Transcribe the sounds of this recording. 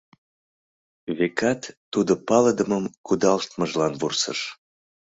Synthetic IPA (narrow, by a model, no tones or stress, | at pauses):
βekɑt̪ːud̪opɑləd̪əməmkud̪ɑlʃt̪məʒlɑnβursə̰ʃ